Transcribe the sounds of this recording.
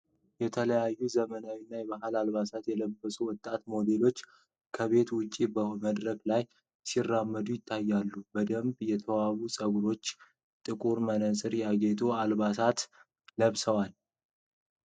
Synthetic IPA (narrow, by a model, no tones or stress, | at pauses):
jɛt̪ʰələjajːuzəmənawinːajɛβaɦalalβasat̪jɛləbːəsʼuwɔt̪ʼːat̪mo̞d̪e̞lo̞t͡ʃː | kʰəβe̞t̪wʊt͡ʃʼːibəməd̪ɾəɡlaj | sirːamːəd̪ujɪt̪ʰːajːalːubəd̪əmbjɛt̪ʰəwaβusʼəɡuɾo̞t͡ʃː | t̪ʼɨkʼuɾmənəsʼɨɾjaɡet̪ʰʼoalbasat̪ | ləβsəwal